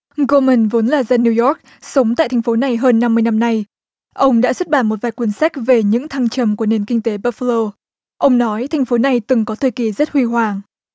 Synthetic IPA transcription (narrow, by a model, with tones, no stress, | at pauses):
ɣo˧mə˨˩nvo˨˦nlaː˨˩zaː˧nːi˧wjɔ˦˥k̚ | sə˨˦wŋ͡mt̪a̰ː˧˨jt̪ʰa˨˩ŋ̟fo˨˦na˨˩jɦəː˧nːa˧mːɨ˧əjna˧mna˧j | ʔə˧wŋ͡mɗa̰ː˧˥swt̚ɓaː˧˩nmo˨˩t̚vaː˨˩jkwi˧˩nsa˦˥k̟̚ve˨˩ɲɨ̰˧˥ŋt̪ʰa˧ŋt͡ɕə˨˩mku˧˩əne˨˩nkï˧ŋ̟t̪e˨˦ɓaː˧fə˧lo˧ | ʔə˧wŋ͡mnɔ˨˦jt̪ʰa˨˩ŋ̟fo˨˦na˨˩jt̪ɨ˨˩ŋkɔ˨˦t̪ʰəː˨˩jki˨˩zə˦˥t̚hwi˧ɦwaː˨˩ŋ